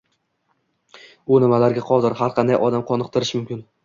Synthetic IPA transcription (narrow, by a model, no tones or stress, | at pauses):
ʊnɪmalaɾɡʲaqʰɒd̪ɪɾhaɾqʰɑnd̪ajʔɒd̪amqʰɒnɨqt̪ʰɪɾɪʃmʊmkʲɪn